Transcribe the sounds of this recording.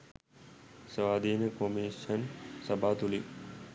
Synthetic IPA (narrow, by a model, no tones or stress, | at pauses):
səʋaːd̪ʱiːnəkomiʃənsɐbʱaːt̪uli